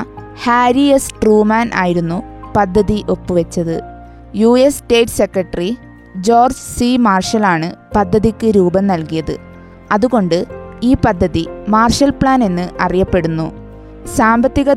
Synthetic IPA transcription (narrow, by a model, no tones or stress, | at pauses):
haːɾiesʈruːmaːnʔa̰ːjiɾunːupɐd̪ʱːɐðiʔo̞pːɨʋɐt͡ɕːɐðɨ̰ | juːesʈe̞ːʈːse̞krɐʈːɐri | d͡ʑo̞ːrd͡ʑsimaːrʂɐlaːɳɨpɐd̪ʱːɐðikʲːɨɾuːbɐmnɐlkijɐðɨ̰ | ɐðuɣo̞ɳɖɨiːpɐd̪ʱːɐðimaːrʂɐlpɭaːne̞nːɨʔɐrijɐpːe̞ɽunːu | saːmbɐt̪ːiɣɐ